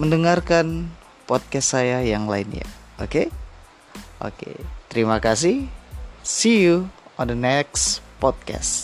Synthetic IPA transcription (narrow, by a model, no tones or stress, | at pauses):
məndəŋarkan | pɔt̪̚kɛstsajajaŋla̰ɪnja̰ | oke | ʔo̰kḛt̪əɾimakas̬ɪh | sijuɔndənɛkspɔt̪̚kɛ̰s